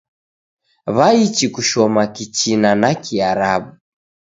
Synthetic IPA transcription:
βait͡ʃikuʃɔmakit͡ʃinanakiaɾaɓu

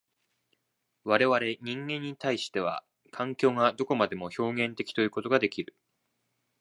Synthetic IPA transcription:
βaɾe̞βaɾe̞ɲ̟ĩŋɡẽ̞ɲ̟ːit̪aiɕi̥t̪e̞β̞a̰ | kʰãŋkʲo̞ːŋad̪o̞ko̞mad̪e̞mo̞ço̞ːɡẽ̞nt̪e̞kʲi̥t̪o̞jɯ̟ːko̞t̪o̞ɡad̪e̞kʲiɾɯ̟

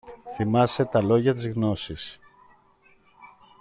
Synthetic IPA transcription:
θimɐse̞t̪ɐlo̞ʝɐt̪izɣno̞sis

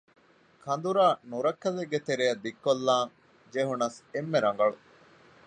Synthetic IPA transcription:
kʰɐnd̪uɾaːnuɾɐkːɐleɡːet̪eɾejɐd̪ikːolːaːŋ | d͡ʒeɦunɐsemːeɾɐŋɡɐɭu

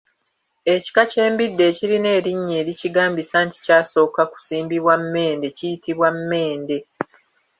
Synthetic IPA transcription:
e̞ci̥kace̞ːmbidːe̞ːciɾine̞ːɾiɲːe̞ːɾiciɡaːmbisaːnti̥caːso̞ːkaku̥siːmbiβwamːe̞ːnde̞cijitiβwamːe̞ːnde̞

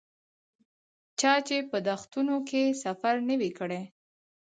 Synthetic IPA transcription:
t͡ʃɑt͡ʃepəd̪axt̪unokesafaɾnəwikəɽe

